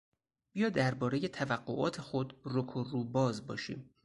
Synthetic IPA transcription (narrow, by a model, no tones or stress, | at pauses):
b̥ijɒːd̪ːæɾbɒːɾe̞je̞t̪ʰævæɡːoʔɒ̰ːt̪ʰe̞xo̞d̪rokʰoruːbɒːzbɒːʃḭːm